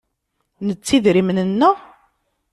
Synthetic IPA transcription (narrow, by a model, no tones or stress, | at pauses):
nət͡sːiðɾimnənːə